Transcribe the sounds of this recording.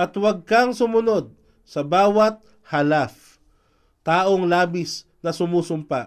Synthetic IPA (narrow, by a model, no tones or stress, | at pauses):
ʔɐt̪wɐɡ̚kaŋsʊmʊno̞d̪̚ | sɐbaːwɐt̪̚ | hɐlaf | t̪aːʔoŋlaːbɪs | nɐsʊmuːsʊmpa